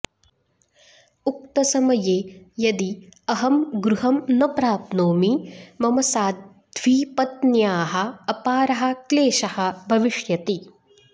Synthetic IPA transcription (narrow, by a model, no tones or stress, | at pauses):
uk̚t̪ɐsɐmɐjeːjɐd̪iɐɦɐmɡɾuɦɐmnɐpɾaːpnoːmimɐmɐsaːd̪ | d̪ʱʋiːpɐt̪njaːɦɐ̆ːpaːɾɐɦɐ̆kleːʃɐhɐ̆bʱɐʋiʂjɐt̪i